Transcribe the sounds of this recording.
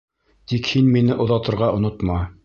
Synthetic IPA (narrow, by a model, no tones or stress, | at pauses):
t̪ikhinminɘʔŏðɑt̪ɤ̆ɾʁɑʔŏnot̪mɑ